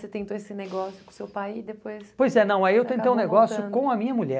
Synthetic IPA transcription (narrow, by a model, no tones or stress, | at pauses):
set̪ẽt̪oesɪneɡɔsjʊ̥kõsewpajid̪epojspojzɛnɐ̃w̃ɛewt̪ẽt̪ejũneɡɔsjʊkõɐmĩɲɐmuʎɛ